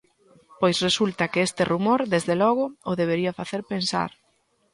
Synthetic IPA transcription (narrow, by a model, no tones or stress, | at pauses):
pojsresult̪ɐkɪest̪ɪrumoɾðezðelɔɣ̞ʊʊðeβ̞eɾiɐfaθeɾpensa̰ɾ